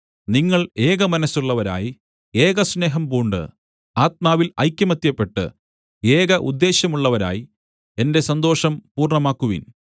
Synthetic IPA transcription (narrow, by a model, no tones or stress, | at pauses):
niŋːɐɭe̞ːɣɐmɐnɐsuɭːɐʋɐɾa̰ːji | e̞ːɣɐsne̞ːɦɐmbuːɳɖɨ̰ | aːt̪̚maːʋilɐ̰jkʲːjɐmɐt̪jɐpːe̞ʈːɨ̰ | e̞ːɣɐʔud̪ːe̞ːɕjɐmuɭːɐʋɐɾa̰ːji | e̞nde̞sɐnd̪o̞ːʂɐmpuːrɳɐmaːkːuʋḭn